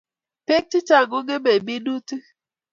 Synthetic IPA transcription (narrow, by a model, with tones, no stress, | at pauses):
pe˦k̚t͡ʃi˦t͡ʃa˨ŋɡo˦ŋe˦me˨bi˦nu˦ti˦